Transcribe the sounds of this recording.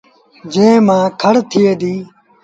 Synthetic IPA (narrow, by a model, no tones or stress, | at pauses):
d͡ʒẽːmãːkʰəɽt̪ʰɪeːd̪iː